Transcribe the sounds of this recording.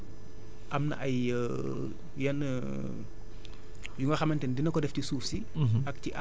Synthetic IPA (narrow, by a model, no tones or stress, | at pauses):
ʔɐmnɐ̰ʔɐj | jɐn | juŋɡɐxɐmɐntɛndinɐkɔdɛftisuːfsi | ɐk̚tiʔa